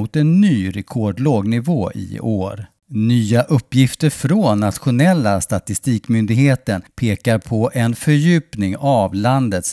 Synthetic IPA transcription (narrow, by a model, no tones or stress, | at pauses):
ʊt̪ɛnːyːɾɛkʰɔɖloːɡnɪvoːʔɪ̰oːɾ | nyːaʔɵpːjɪft̪əɾfɾɔnːat̪ɧʊnɛlːast̪at̪ɪst̪iːkmʏnd̪ɪɡheːt̪ənpʰeːkaɾpʰɔʔɛnfœɾjʉ̟ːpnɪŋavland̪ət̪s